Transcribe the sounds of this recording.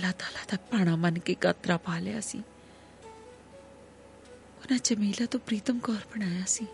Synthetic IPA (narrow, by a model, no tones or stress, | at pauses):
lat̪aːlat̪apaːɽ̃amənkekɐt̪ɾapaːleja̰sḭ | ʊnãt͡ʃəmiːlat̪opɾiːt̪əmkɔːɾbɐɽ̃aːjasi